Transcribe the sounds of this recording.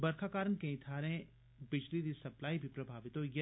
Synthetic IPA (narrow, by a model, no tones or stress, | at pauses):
bɐɾkʰakaːɾənkɐ̃it̪ʰaːɾɐɦẽ | bɪd͡ʒliɾisɐplaːibʱipɾɐbʱaːʋɪt̪ojɐ